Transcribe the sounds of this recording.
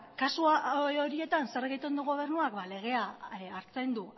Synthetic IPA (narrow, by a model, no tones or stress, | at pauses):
kasuao̞ɾie̞t̪anse̞ɾɣejt̪e̞nd̪uɣo̞β̞e̞ɾnuakbale̞ɣ̞e̞aaɾt͡send̪u